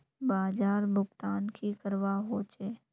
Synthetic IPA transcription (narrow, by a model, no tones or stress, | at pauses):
baːd͡ʒaːɾbʊɡt̪aːnkʰikəɾʋaɦoːt͡ʃeː